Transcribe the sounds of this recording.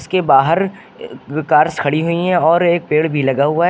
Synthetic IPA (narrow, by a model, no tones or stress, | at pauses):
skebaːɦəɾ | kaːɾskʰɐɽiɦʊiɦɛ̃ɔːɾeːk̚peːɽbʱilɐɡaɦʊa